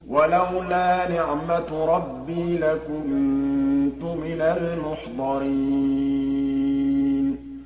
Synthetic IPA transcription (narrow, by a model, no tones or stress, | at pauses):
walawlaːnɪʕmat̪ɾˤɑbːiːlakʊn | t̪ʊmɪnalmʊħd̪ˤɑɾiː | n